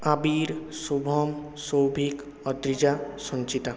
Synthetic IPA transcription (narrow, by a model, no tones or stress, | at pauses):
abiɾsubʱɔm | sɔwbʱik | ɔd̪ɾid͡ʒasɔ̃nt͡ʃit̪a